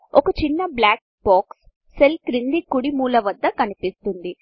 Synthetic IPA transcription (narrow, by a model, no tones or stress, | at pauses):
okɐt͡ʃinːɐblaːk̚ | baːksː | elkɾind̪ikuɽimuːlɐʋɐd̪ːɐkɐnipist̪und̪i